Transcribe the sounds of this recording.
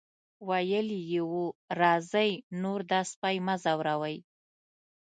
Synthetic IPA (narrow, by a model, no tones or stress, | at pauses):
wajəlijewuɾɑzəjnoɾd̪ɑspajmazawɾawəj